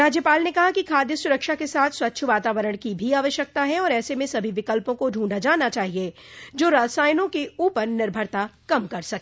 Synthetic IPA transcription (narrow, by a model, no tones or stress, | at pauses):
ɾaːd͡ʒjəpaːlnekɐɦakikʰaːd̪jəsʊɾəkʃakesaːt̪ʰswɐtːʃʰʋaːt̪aːʋəɾəɽ̃kibʱiaːʋəʃjək̚t̪aɦɛɔːɾɛːsemẽsɐbʱiʋɪkəlpõkoɖʱũːɳɖad͡ʒaːnat͡ʃaːɦied͡ʒoːɾaːsaːjnõkeuːpəɾnɪɾbʱəɾt̪akɐmkɐɾsɐkː